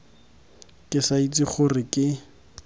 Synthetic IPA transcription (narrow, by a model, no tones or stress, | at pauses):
kʼɪsait͡sʼɪχʊrɪkɪ